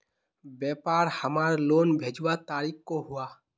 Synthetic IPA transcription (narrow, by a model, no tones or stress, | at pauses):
bɛːpaːɾhəmaːɾloːnbʱeːd͡ʒwat̪aːɾikkoɦua